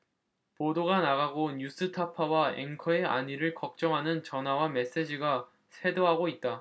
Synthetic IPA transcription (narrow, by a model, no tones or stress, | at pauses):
podoɡanaɣaɡoɲus͈ʰɯtʰapʰawaḛŋkʰʌeʔa̰ɲiɾɯɭkʌk̚t͡ɕ͈ʌŋɦanɯnt͡ɕʌnɦawame̞s͈e̞d͡ʑiɡa | sʰe̞doɦaɡoit̚t͈a